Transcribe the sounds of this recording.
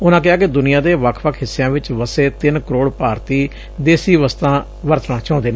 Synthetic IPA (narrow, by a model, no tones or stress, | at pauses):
ʊnãːk̬ɪaːkɪd̪ʊnijãːd̪eːʋəkʰʋəkʰɦɪsːejãːʋɪt͡ʃʋəseːt̪ɪnkəɾoːɽpaːɾt̪iː | d̪eːsiːʋəst̪ãː | ʋəɾt̪nãːt͡ʃãːnd̪eːnː